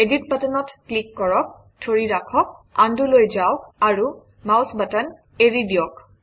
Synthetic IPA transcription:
edit̚batanɔtklikːɔɹɔk̚ | tʰoɹiɹakʰɔk̚andulojzawaɹu | mawsbatan | eɹidiɔk

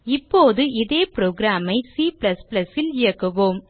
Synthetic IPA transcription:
ɪpːoːðɯɪðeːpɾoːɡɾaːmɐɪsiːpɪlɐspɪlɐsɪlɪjɐkːɐʋoːm

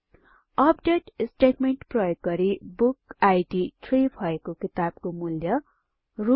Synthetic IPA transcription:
ʌpɖeʈsʈeʈmeɳʈprʌjoɡɡʌɾibukajɖiʈʰribʱʌekokit̪ab̥̚komuljʌ | ru

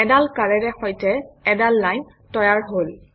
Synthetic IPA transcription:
ɛdalkaɹɛɹɛxɔjtɛɛdalːajn | tɔjaɹɦol

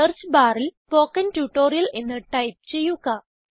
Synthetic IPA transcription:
ɐrt͡ɕbaːɾilpoːkːɐntuːʈːoːɾijɐle̞nːɨʈɐjp̚t͡ɕe̞jːuɣɐ

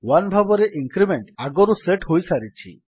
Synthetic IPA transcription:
wanbʱabɔɾeʔiŋkɾimeɳʈaɡɔɾuseʈɦojsaɾit͡ʃʰḭ

